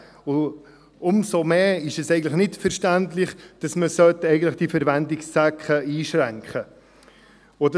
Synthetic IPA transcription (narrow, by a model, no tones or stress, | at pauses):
ʊ | ʊmsomeːɪʃɛsɛɪɡən̩tləχnɪtfɛɾʃtæntlɪχd̥ɑsməsœtɛɪɡətləχd̥ifɛɾvɛndɪksːɛkχəiːʃɾɛŋkχə | od